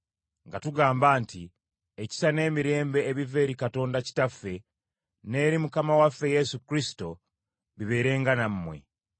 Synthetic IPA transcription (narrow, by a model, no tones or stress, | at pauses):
ŋɡatuɡaːmbaːnti | eci̥sane̞ːmiɾe̞ːmbe̞ːβive̞ːɾikato̞ːndaci̥tafːe̞ | ne̞ːɾimukamawafːe̞je̞sukɾisi̥to̞ | βiβe̞ːɾe̞ːŋɡanamːwe̞̰